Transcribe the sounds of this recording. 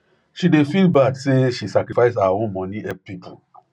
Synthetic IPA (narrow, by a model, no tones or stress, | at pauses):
ʃidefilbadseʃisakɾifaɪs̬awawõnmɔ̃nĩʔɛpipu